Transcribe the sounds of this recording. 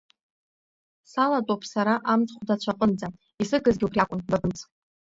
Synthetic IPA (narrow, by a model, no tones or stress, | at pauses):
salatʼopʰsaɾaʔamt͡sʼχʷdat͡ɕʷʰaqʼənd͡za | isɨɡɨzɡʲɪupʰriakʷʼʊndabɨnt͡sʰʼ